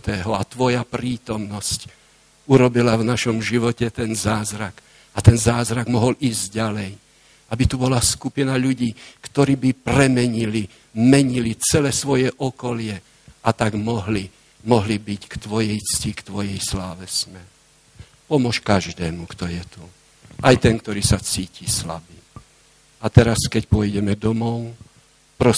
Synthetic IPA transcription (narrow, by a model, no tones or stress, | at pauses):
t̪ɛːɦɔat̪ʋɔjapɾiːt̪ɔmnɔsc | uɾɔbilavnaʃɔmʒiʋɔcɛt̪ɛnzaːzɾak | at̪ɛnzaːzɾaɡmɔɦɔlʔiːzɟalɛj | abit̪ubɔlaskupinaʎuɟiːkt̪ɔɾiːbipɾɛmɛɲili | mɛɲilit͡sɛlɛːsʋɔjɛʔɔkɔlɪɛ | ʔat̪aɡmɔɦli | mɔɦlibickt̪ʋɔjɛjt͡scikt̪ʋɔjɛjslaːʋɛsmɛɾ | pɔmʊɔʃkaʒd̪ɛːmukt̪ɔjɛt̪u | ʔajt̪ɛŋk̚t̪ɔɾiːsat͡siːcisla̰biː | at̪ɛɾaskɛcpɔjɟɛmɛd̪ɔmɔʊ | pɾɔ